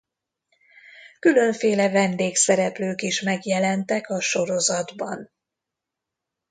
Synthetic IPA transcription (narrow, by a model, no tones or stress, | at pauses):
kylø̞ɱfeːlɛvɛnd̪eːksɛɾɛpløːkiʃmɛɡjɛlɛnt̪ɛkɒʃo̞ɾo̞zɒd̪bɒn